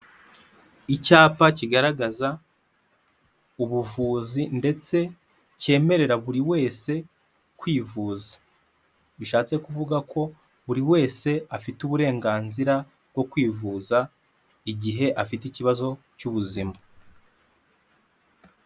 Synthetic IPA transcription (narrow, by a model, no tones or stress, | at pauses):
icaːpaciɡaɾaɡaza | uβuvuːzinde̞t͡se̞ | ce̞ːme̞ɾe̞ɾaβuɾiwe̞ːse̞ | kwiːvuːzḁ | βiʃaːt͡se̞kuvuɡakʰo̞ | βuɾiwe̞ːse̞afituβuɾe̞ːŋɡaːnziɾa | bɡo̞kwiːvuːza | iɟiɦe̞ʔafiticiβazo̞ | cuβuzima